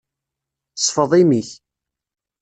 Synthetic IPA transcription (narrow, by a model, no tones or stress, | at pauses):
sˤfəðˤimiç